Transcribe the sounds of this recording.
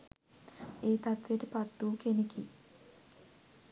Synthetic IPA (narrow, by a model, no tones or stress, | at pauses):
iːt̪ɐt̪ʋiʈepɐt̪ːuːkeniki